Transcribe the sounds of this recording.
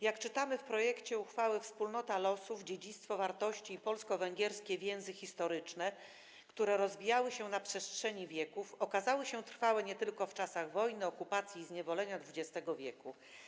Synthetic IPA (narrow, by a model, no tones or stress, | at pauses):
jakt͡ʂɘt̪amɘfpɾɔjɛkt͡ɕɛuxfawɘfspulnɔt̪alɔsuvd͡ʑed͡ʑit̪st̪fɔvaɾt̪ɔɕt͡ɕiːpɔlskɔvɛŋɡʲɛɾskʲɛvʲjɛw̃zɘxʲist̪ɔɾɘt͡ʂnɛ | kt̪uɾɛɾɔzvʲijawɘɕɛnapʂɛstʂɛɲivʲjɛkufɔkazawɘɕɛt̪ɾfawɛɲɛt̪ɘlkɔft͡ʂasaɣvɔjnɘɔkupat̪sʲjiːzɲɛvɔlɛɲad̪vud͡ʑɛst̪ɛɡɔvʲjɛku